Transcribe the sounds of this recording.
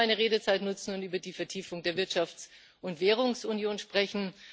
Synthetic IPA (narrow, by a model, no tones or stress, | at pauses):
aɪnəʁeːɾət͡saɪtnʊt͡sn̩ʊntyːbɐdiːfɛɐtʰiːfʊŋdeːɐvɪɐtʃaft͡s | ʊntv̥eːʁ̞ʊŋsunjoːnʃpʁ̥ɛçn̩